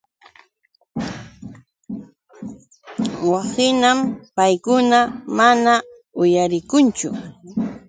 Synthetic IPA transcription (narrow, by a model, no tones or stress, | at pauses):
wasɪnampajkʊnamana | ʊjaɾɪkʊnt͡ʃʊ̰